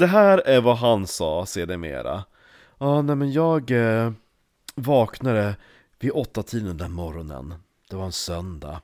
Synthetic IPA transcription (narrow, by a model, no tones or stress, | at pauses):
d̪ɛɦæːɾæɾvaɦansɑːseːɖɛmḛːɾa̰ | ɑːnɛmɛnjɑːɡ | vɑːknad̪ə | vɪʔɔt̪ːat̪ʰiːd̪ənd̪ænmɔɾɔnə̰n | d̪̥ɛvaɾɛnsœnd̪a̰